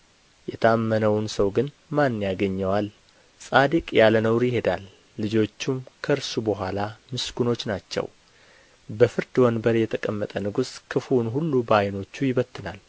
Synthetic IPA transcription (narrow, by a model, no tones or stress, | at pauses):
jɛt̪ʰəamːənəwnsəwɡɨn | manːjaɡəɲːɛwal | sʼad̪ɨkʼjalənəwɾjɪhe̞d̪alː | ɨd͡ʒo̞t͡ʃːumkʰəɨɾsubəɦʷalamɨsɡuno̞t͡ʃːnat͡ʃːɛ̰w | bəfɨɾd̪ɨwənbəɾjɛt̪ʰəkʼəmːət̪ʼənɨɡuskʰɨfunɦulːubəajno̞t͡ʃːujɪβət̪ːɨnal